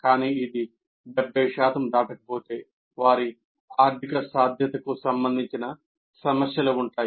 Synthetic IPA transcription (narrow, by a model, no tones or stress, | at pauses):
kaːniːid̪i | bɐbɛːʂaːt̪ɐmd̪aːʈɐkɐpo̞ːt̪e̞ː | ʋaːɾi | aːɾt̪ʰikɐsaːd̪ʱjɐt̪ɐkusɐmbɐnd̪ʱiɲt͡ʃinɐ | sɐmɐsjɐluuɳʈaːji